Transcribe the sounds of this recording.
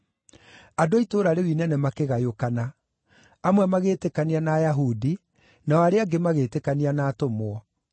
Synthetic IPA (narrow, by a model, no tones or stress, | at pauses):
adoitoɾaɾewinɛnɛmakeɣajokana | amwɛmaɣeːtekanianaːjaɦudi | naɔaɾeaɡemaɣeːtekanianaːtomwɔ